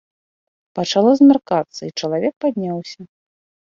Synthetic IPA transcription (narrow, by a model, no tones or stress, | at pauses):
pɐt͡ʂalˠɔzmʲarkat̪sːɐit͡ʂɐlˠavʲɛk̚pad̪̚ʲnʲawsʲɐ